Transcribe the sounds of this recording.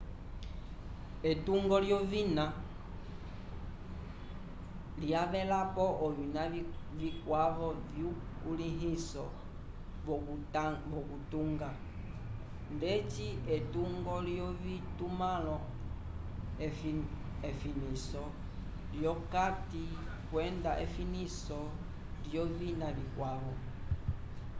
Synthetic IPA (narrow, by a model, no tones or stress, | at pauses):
etuŋɡɔljɔvina | liaβɛlapɔʔɔβinavikwaβɔvjukuliɦisɔ | vɔkutuŋɡa | ndɛt͡ʃiɛtuŋɡɔlijɔβitumalɔ | efinisɔ | ljɔkati | kwɛndaʔḛfinisɔ | lijɔβinaβikwaβɔ